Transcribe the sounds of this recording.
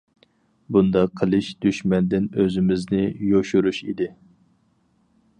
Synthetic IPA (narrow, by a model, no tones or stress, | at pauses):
bund̪ɑqʰːəlˠɨʃd̪̥yʃmɛnd̪ɪnøzɪmɪznɪjoʃuɾuʃḭd̪ɪ